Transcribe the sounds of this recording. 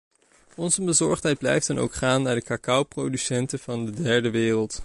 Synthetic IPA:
ɔnzəbəzɔɹχtɦɛjd̚blɛ̰jftɛnʔo̰wkχaːnːaːɹdəkakɑwprowdysɛntəv̥ɑndədɛɹdəʋɪːrəlˠt

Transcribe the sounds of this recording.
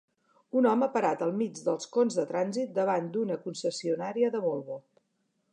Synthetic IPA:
unɔməpəɾat̪əlˠmid͡ʒd̪əlˠskonzðət̪ɾanzit̪̚d̪əβ̞and̪unəkunsəsiunaɾiəðəβolˠβo

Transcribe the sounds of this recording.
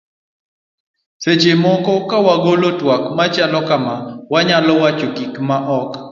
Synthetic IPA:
set͡ʃemɔkɔkawaɡolotwakmat͡ʃalɔkamawaɲalɔwat͡ʃokikmaʔɔk

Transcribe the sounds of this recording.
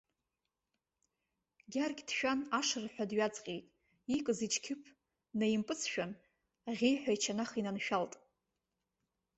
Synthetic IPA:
ɡʲarɡʲd̥ʃᶣanaʂɨrħʷᶣadɥad͡zʼqʲʼejtʼ | ikʼɨzit͡ʃʰkʲʰɪpʰ | najimpʼɨt͡sʰʃᶣan | ʁʲejħʷᶣajt͡ʃʰanaχinanʃᶣaltʼ

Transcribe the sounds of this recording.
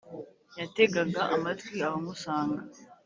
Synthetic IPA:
jate̞ɡaɡaʔamatwiahomusaːŋɡa

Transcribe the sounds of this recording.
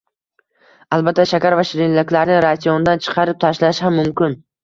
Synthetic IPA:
albat̪ʰːaʃakʲaɾvaʃɪɾɪnlɪkʲlaɾnɪɾasijɒnd̪ant͡ʃʰɨ̥qʰɑɾɪp̚t̪ʰaʃlaʃhamːʊmkʲɪn

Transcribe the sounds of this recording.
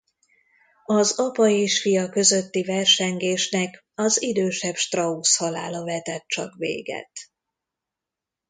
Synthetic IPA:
ɒzɒpɒeːʃfijɒkø̞zøt̪ːivɛrʃɛŋɡeːʃnɛk | ɒzid̪øːʃɛpʃt̪rɒushɒla̰ːlɒvɛt̪ɛt̪̚t͡ʃɒ̰kvḛːɡɛ̰t̪

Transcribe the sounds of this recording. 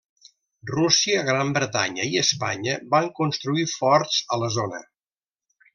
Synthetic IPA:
rusiəɣɾambɾət̪a̰ɲəiəspa̰ɲəbaŋkunst̪ɾuifɔɾtzələzonə̰

